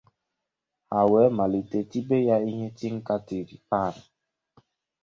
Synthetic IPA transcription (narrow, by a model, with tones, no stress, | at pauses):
a˨wɛ˨˦ma˨li˨te˨ti˦be˦ja˦i˦ɦe˦ti˦ŋ̩˦ka˦te˨ɾi˨pa˦˨ɾa˨